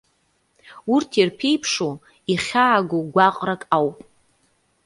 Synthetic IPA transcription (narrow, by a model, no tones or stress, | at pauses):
urtʰirpʰe̞jpʰʂo | iχʲaːɡoɡʷaqʼrakʼawpʼ